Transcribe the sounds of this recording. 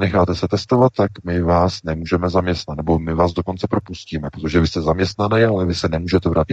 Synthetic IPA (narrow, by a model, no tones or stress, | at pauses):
nɛxaːt̪ɛsɛt̪ɛst̪o̞vat̪ːakmɪvaːsnɛmuːʒɛmɛzamɲɛst̪nat̪nɛbomɪvaːzdoko̞nt͡sɛpɾo̞pusciːmɛpɾot̪oʒɛvɪst̪ɛzamɲɛst̪nanɛjalɛvɪsɛnɛmuːʒɛt̪ɛvɾaːcɪt̪